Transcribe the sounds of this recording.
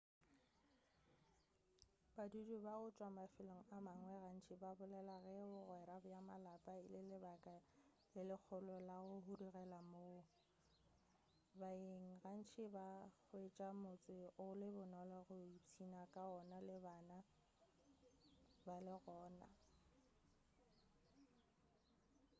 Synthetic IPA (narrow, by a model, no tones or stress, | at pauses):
b̥adudubaʊt͡ʃʼwamafɪloŋ̩amaŋwɛɣan̩t͡ʃʰɪbabʊlɛlaɣɛʊɣwɛɾabjamalapʼaɪlɪlɪbakʼa | lɪlɪk͡xʰʊlɔlaʊhurirɛlamo | baeŋ̩ɣan̩t͡ʃʰɪbak͡xʊet͡ʃʼamʊt͡sʼɪʊlɪbʊnɔlɔɣʊit͡sʰinakʼaɔnalɪbaːna | balɪɣɔːna̰